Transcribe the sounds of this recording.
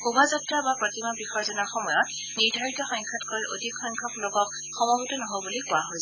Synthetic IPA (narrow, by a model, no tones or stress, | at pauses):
xubʱazɔtɹabapɹɔtimabixɔɹzɔnaxɔmɔjɔt | niɹdʱaɹitɔxɔŋkʰatkɔɹiʔo̰dʱikxɔŋkʰɔplɔɡɔk | xɔmɔɡitɔnɔɦojbulikʊaɦojsɛ